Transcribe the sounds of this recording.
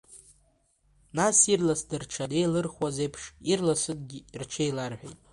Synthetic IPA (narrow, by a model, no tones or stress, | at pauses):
nasirlasdɨrʈ͡ʂʰade̞jlɨrχwazejpʰʂirlasɨd̚ʼɡʲirt͡ʃʰejlarħʷᶣejtʼ